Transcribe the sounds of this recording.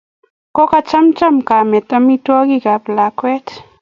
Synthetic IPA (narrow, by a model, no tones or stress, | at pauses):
kokat͡ʃamt͡ʃamkamet̪amitwakikaplakwet